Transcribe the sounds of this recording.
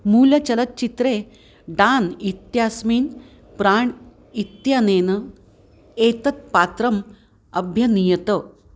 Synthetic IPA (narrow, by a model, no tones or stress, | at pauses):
muːljɐt͡ɕɐlət̪̚t͡ɕit̪ɾe | ɖaːnit̪jasmiːn | pɾaːɳ | it̪janeːnə | et̪ɐt̪̚pat̪ɾəm | ɐbʱjɐnijət̪ə